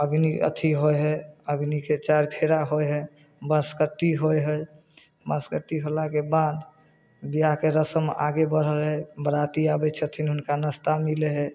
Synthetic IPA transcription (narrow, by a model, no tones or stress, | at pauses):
əɡniə̰t̪ʰiɦojɦɛəɡniket͡ʃaɾpʰeɾaɦojɦɛ | bəskəʈːiɦojɦəj | bəskəʈːiɦolakebad̪ | bijakeɾəsəma̰ɡebəɾ̤əlɦɛbəɾat̪iabɛt͡ʃʰət̪ʰinɦʊnkanəst̪amileɦɛ